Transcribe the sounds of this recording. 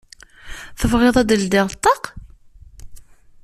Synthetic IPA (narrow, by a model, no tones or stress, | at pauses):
θəvʁeðˤɑd̪əld̪ɪɾˤt̪ˤːɑq